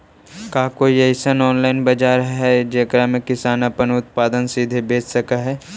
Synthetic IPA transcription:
kaːkoːiɐɪsənɔːnlaːɪnbɐd͡ʒaːɾɐɦaɦɛd͡ʒekɾamẽkɪsaːnapənʊt̪̚paːd̪ənsid̪ʱebeːt͡ʃsɐkaɦɛː

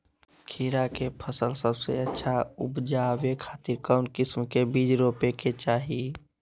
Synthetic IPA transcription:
kʰiɾakepʰəsəlsəbsḛətːʃʰaʊ̰pd͡ʒaːʋekʰaːt̪iɾkaʊnkɪsmkebiːd͡ʒɾoːpeket͡ʃaːɦi

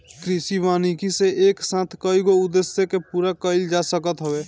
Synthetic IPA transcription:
kɾɪsiʋaːnikiseʔeːksãːt̪ʰkəiɡoʊd̪esekepuːɾakəɪld͡ʒasəkət̪ɦoeː

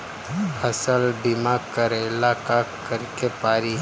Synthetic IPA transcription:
ɐsəlbɪmaɡkəɾelaːkakəɾkepaːɾi

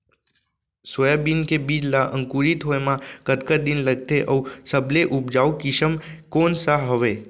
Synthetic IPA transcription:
sojabinkebid͡ʒlaʔə̃ŋkuɾit̪ɦojmãkət̪kəɾd̪inləɡ̚t̪eʔəwsəbleʔup̚d͡ʒaukiʃəmkonsaɦɦəʋe

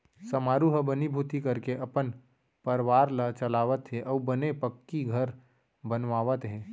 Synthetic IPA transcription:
sɐmaːɾuɦəbənibʱut̪ikəɾkeʔɐpən | pəɾʋaːɾlat͡ʃəlaːʋət̪ɦɛ̃ʔɔːbənepəkːiɡʱəɾ | bənʋaːʋət̪ɦɛ̃ː

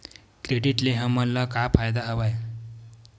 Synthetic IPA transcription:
kɾeɖiʈleɦaməllakapʰajd̪aɦəʋaj

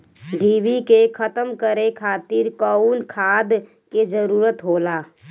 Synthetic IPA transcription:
ɖ̪ʱiːʋikekʰət̪əmkəɾekʰaːt̪ɪɾkəʊnkʰaːd̪ | ked͡ʒəɾuːɾət̪ɦoːlaː

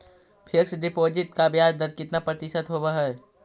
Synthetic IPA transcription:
pʰɪksɖɪpoːd͡ʒɪʈ̚kabjaːd͡ʒd̪əɾkɪt̪napɾət̪ɪʃət̪ɦobəɦɛɛ

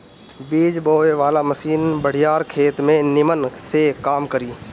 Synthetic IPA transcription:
biːd͡ʒboːeʋaːlaməsiːnbəɽ̤ijaːɾkʰeːt̪mẽnɪmənsekaːmkəɾiː

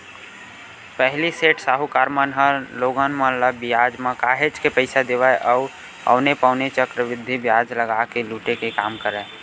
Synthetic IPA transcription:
pəɦliseʈsaɦukaɾmənɦəloːɡənmələbijad͡ʒmãkaɦet͡ʃkepəɪsad̪eʋaʔə | ə̰ʊnepaʊnet͡ʃəkɾəʋɪd̪ʱːibjad͡ʒləɡakeluːʈekekaːmkəɾɛ

